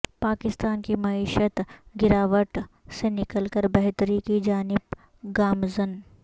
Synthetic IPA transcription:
paːkɪst̪aːnkimɐiːʃət̪ɡɪɾaːʋəʈsenɪkəlkəɾbɛɦt̪əɾikid͡ʒaːnɪb | ɡaːmzən

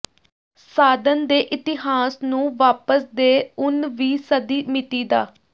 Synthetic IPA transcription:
saːd̪ənd̪eːʔɪt̪ɪɦaːsnũːʋaːpəsd̪eːʊnʋiːsəd̪iːmɪt̪iːd̪aː

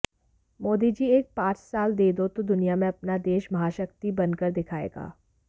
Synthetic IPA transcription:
moːd̪id͡ʒieːk̚pãːt͡ʃsaːld̪eːd̪ot̪od̪ʊnijamẽɐpnad̪eːʃmɐɦaːʃək̚t̪ibɐnkəɾd̪ɪkʰaːḛːɡa̰ː

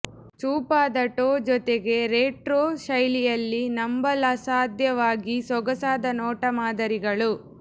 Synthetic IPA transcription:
t͡ʃuːpaːd̪ɐʈoːd͡ʒɔt̪eɡe̞ɾeːʈɾoːʃɐjlijɐlːinɐmbɐlɐsaːd̪jɐʋaːɡisɔɡɐsaːd̪ɐnɔːʈɐmaːd̪ɐɾiɡɐɭu

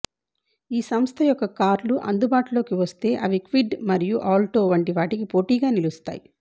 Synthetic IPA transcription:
iːsɐmst̪ʰɐjɔkːɐkaːɾluʔɐ̰nd̪ubaːʈulo̞ːkiʋɐst̪e̞ːʔɐʋikʋiɖmɐɾijuʔaːlʈoːʋɐɳʈiʋaːʈikipo̞ːʈiːɡaːnilust̪a̰ːji

